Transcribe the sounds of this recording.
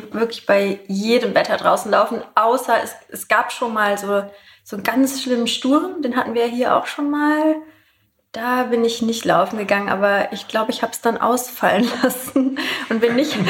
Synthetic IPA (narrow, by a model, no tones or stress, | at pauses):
vɪɐklɪçb̥aɪjeːdəmvɛtʰɐdʁaʊsn̩laʊfn̩ʔaʊsɐʔɛ̰sʔɛsɡ̥aːpʃoːnmaːlzoː | z̥oːnɡant͡sʃlɪmənʃtʊɐmd̥eːnɦatn̩viːɐjaːɦiːɐʔa̰ʊxʃoːnmaːl | d̥aːbɪnɪçnɪçtla̰ʊfn̩ɡəɡaŋənʔa̰ːbɐʔɪçɡ̥laʊbəɪçhaːbəsd̥anʔa̰ʊsfalənlasn̩ʔʊntb̥ɪnːɪç